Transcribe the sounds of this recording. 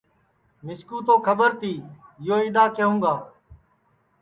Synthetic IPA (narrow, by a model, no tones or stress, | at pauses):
mɪskuːt̪oːkʰəbəɾt̪iːjoːid̪aːkeɦũːɡaː